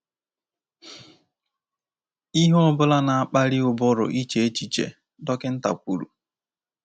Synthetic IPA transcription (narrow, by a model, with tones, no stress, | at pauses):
i˦ɦɔ˦bʊ˦la˦na˨a˦˨k͡pa˦ɾi˦ʊ˨bʊ˦ɾʊ̰˨ʔi˦t͡ʃe˨e˦t͡ʃi˨t͡ʃḛ˨ | dɔ˦kɪ˦n̩˦ta̰˨kʷu˨ɾṵ˨